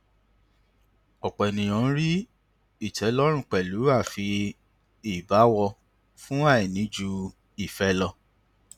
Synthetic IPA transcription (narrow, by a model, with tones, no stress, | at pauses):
ɔ˨k͡pɔ˨nĩ˨j̃ɔ̃˨˦ɾi˦ | i˦˨tɛ˨˦lɔ˦ɾ̃ũ˦˨k͡pɛ˨lu˨˦a˦˨fi˧ | i˨ba˨˦wɔ˧ | fũ˦a˦˨i˨nĩ˨˦d͡ʒu˧ | i˦˨fɛ˧˦lɔ˧